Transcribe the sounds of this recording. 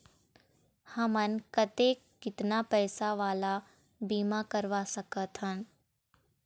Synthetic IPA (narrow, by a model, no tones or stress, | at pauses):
hɐmənkət̪ekɪt̪napɛːsaʋaːla | biːmakəɾʋasɐkət̪ɦən